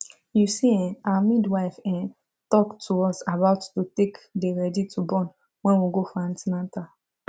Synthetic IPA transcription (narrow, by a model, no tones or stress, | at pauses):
jusiɛ̃namidwaɪfɛ̃n | tɔktʰuɔsabaʊtːutekdeɾɛditʰubɔ̃n | wɛ̃nwiɡofãn̩tinãnta